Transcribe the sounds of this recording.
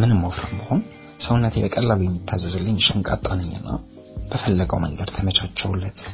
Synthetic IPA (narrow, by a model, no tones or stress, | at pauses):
mɨnɨmːawfɾanbəho̞n | səwʊnːət̪ʰebəkʼəlːalujɛmːit̪ʰːazːəzɨlːɨɲːʃɨŋkʼa̰t̪ʼːanɨɲːɨnːa̰ | b̥əfəlːəɡəwməŋɡəd̪t̪ʰəmət͡ʃʰat͡ʃːɛwlːət̪